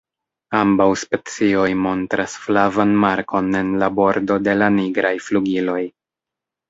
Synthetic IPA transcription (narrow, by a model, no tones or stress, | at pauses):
ambawspe̞t͡sio̞jmo̞ntɾasflavanmaɾko̞ne̞nlabo̞ɾdo̞de̞laniɡɾajfluɡilo̞j